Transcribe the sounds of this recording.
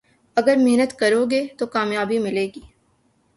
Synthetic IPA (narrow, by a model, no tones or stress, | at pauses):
ɐɡəɾmeɦnət̪kɐɾoːɡeːt̪okaːmjaːbimɪleːɡiː